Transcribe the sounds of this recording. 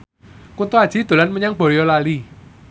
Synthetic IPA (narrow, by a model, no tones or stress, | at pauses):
kunt̪uad̥ʒ̥i̤d̪̥o̤lanməɲaŋb̥ɔ̤jɔlali